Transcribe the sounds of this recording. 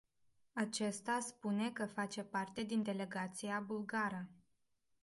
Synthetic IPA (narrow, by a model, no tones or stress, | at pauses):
at͡ʃe̞st̪aspune̞kəfat͡ʃe̞part̪e̞d̪ind̪e̞le̞ɡat̪sijabulɡaɾə